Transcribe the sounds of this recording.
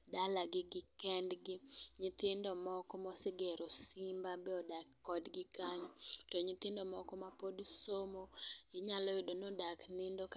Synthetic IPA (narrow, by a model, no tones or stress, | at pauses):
dalaɡɪɡɪkɛndɡɪɲɪt̪ɪndɔmɔkɔmɔsɪɡɛɾosɪmbabɛɔdakːɔdɡɪkaɲɔtɔɲɪt̪ɪndɔmɔkɔmapodsomojɪɲalɔɪdonɔdaknɪndok